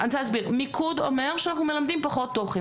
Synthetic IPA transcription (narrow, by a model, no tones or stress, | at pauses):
anzeazbiʁmikʰudo̰me̞ʁʃeanaχnume̞lamd̪impaχo̞t̪ːoχe